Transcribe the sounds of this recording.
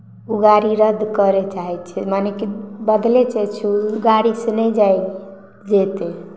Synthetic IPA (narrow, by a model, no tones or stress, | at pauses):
uɡaɾiɾəd̪ʱkəɾɛt͡ʃaɦɛt̪t͡ʃʰɛmanekibəd̪lɛt͡ʃɛt͡ʃʰɛuɡaɾisenɛd͡ʒaj | d͡ʒet̪e